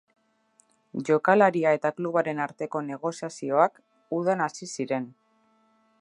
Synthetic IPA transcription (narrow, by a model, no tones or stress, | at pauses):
ʝo̞kalaɾiae̞t̪akluβ̞aɾe̞naɾt̪e̞ko̞ne̞ɣ̞o̞siasio̞ak | uð̞anasisiɾe̞n